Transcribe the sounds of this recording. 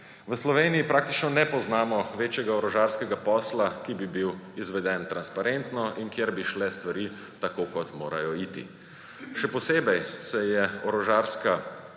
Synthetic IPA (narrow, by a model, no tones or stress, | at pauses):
ʋəslɔʋeːniipɾaːkt̪it͡ʃnɔnɛpɔznaːmɔʋeːt͡ʃjɛɡaɔɾɔʒaːɾskɛɡapɔːslakibibiwizʋɛd̪ɛnt̪ɾanspaɾent̪nɔʔiŋkjeɾbiʃlɛst̪ʋaɾiː | t̪akokɔt̪moːɾa̰jɔiːt̪ḭ | ʃɛpɔseːbɛjsɛjɛɔɾɔʒaːɾska